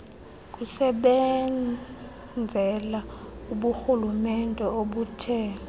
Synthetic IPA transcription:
k̬ʼusɛɓɛ | d͡zʱɛlauɓuxulumɛndʱʼɛoɓutʰɛːɔ

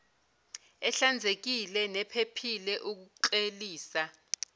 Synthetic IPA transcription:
ɛɬand͡zʱek̬ilɛnɛpʰepʰilɛʔuk̬uǃeliːsa

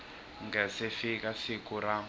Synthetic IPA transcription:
ŋɡɛsifikasikuɾa

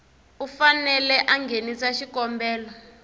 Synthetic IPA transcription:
ufanɛlɛʔaŋɡʱenisaʃikɔmbɛːlɔ

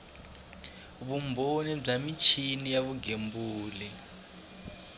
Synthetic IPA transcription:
βumbonib͡ʐamit͡ʃʰinijaβuɡembuːli

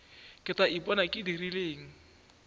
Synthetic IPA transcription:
kɛt̪aʔipɔnakʼidirileŋ̩

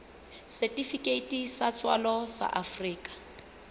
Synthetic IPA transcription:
sɛtʼifikʼetʼisat͡sʼwalɔsa̰ʔafriːkʼḁ

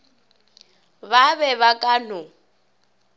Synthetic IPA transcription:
βaβɛβakʼanʊ

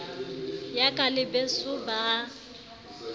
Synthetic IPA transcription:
jakʼalɪbɛsʊba

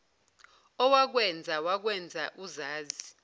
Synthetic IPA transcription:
ɔwak̬wɛnd͡zʱawak̬wɛnd͡zʱaʔuzaːzi

